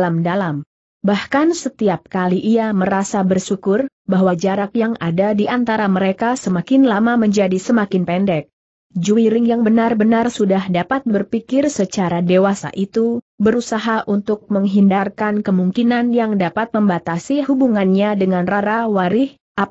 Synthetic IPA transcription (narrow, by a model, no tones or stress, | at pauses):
lamdalam | bahkansət̪iap̚kaliʔiaməɾasabərsukʊrbaɦwad͡ʒaɾakjaŋadadiʔant̪aɾaməɾekasəmakɪnlamaməɲd͡ʒadisəmakɪnpɛndɛk̚ | d͡ʒuiɾɪŋjaŋbənarbənarsudahdapat̪̚bərpikɪrsət͡ʃaɾadewasa̰ʔit̪ubəɾusaɦaʔunt̪ʊk̚məŋɦindarkankəmuŋkinanjaŋdapat̪̚məmbat̪asihubuŋanɲadəŋanraɾawaɾɪh | ʔap